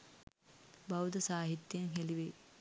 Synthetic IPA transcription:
bɐwd̪ɐsaːɦit̪jenɦeliʋe

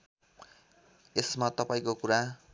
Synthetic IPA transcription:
esmat̪ʌpaĩkokuɾa

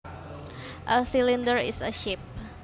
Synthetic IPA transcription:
ʔəsilindəɹɪ̰səʃip̚

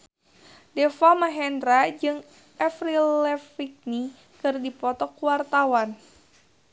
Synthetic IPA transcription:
dɛfamaɦɛndɾad͡ʒɨŋ | ɛfrilɛfik̚ni | kɨrdipɔt̪ɔkuwart̪awan

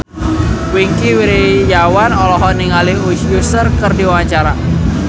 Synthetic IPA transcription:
wiŋkiwiɾijawanɔlɔɦɔniŋaliuʃjusərkərdiwawaɲt͡ʃaɾa

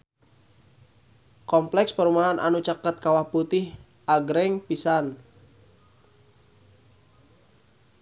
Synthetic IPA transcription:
kɔmplɛkspəɾumaɦanʔa̰nut͡ʃakət̪̚kawahput̪ɪh | ʔaɡɾɛŋpisan

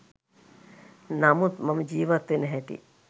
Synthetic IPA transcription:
nɐmut̪mɐmd͡ʒiːʋɐt̪ːenɦɛʈḭ

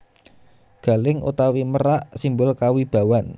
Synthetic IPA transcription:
ɡ̥a̤lɪŋṵt̪awiməɾaʔsimbʊlkawib̥a̤wan

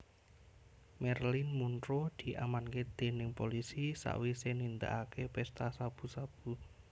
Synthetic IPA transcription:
mɛrlɪnmunt̪ɾod̪̥i̤ʔamanked̪̥e̤nɪŋpolisisa̰ʔwisenind̪a̰ʔakepɛst̪asab̥ṳsab̥u

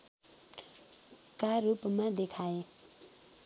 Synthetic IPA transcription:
kaɾupmad̪ekʰae

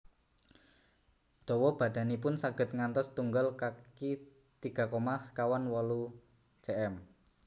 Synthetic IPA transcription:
d̪̥ɔ̤wɔb̥ä̤d̪̥ä̤nipʊnsaɡ̥ə̤t̪̚ŋant̪ɔst̪uŋɡəlkaki | t̪iɡ̥ä̤komaskawanwɔlu̥ | t͡ʃeʔɛm

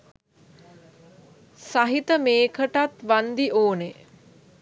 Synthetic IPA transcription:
saɦit̪əmeːkʰəʈat̪ʋand̪iʔoːne

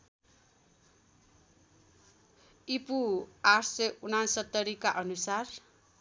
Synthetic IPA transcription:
ipuaʈʰsʌjunansʌt̪ːʌɾikaʔʌnusar

